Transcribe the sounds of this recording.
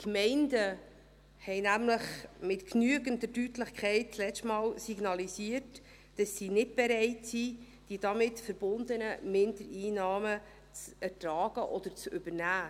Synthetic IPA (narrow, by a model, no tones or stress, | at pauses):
kmɛɪndə | hɛɪnæmləχmɪtknyəɡəndədytlɪχkʰχɛɪt̚t͡slɛstmɑːlsiɡnɑlisiət | d̥ɑsːinɪd̚b̥ɛɾɛɪtsi | d̥id̥ɑmɪtfəɾb̥ʊnd̪ənəmɪndəɾiːnɑːmə | t͡sæɾtɾɑːɡəʔɔd̥̪əɾt͡sʏb̥əɾnæː